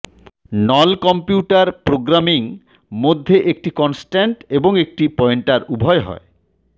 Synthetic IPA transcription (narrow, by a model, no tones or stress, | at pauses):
nɔlkɔmpjuʈaɾpɾoɡɾamiŋ | mod̪ʱːeʔek̚ʈikɔnsʈeɳʈeboŋek̚ʈipɔeɳʈaɾubʱɔeɦɔ̰e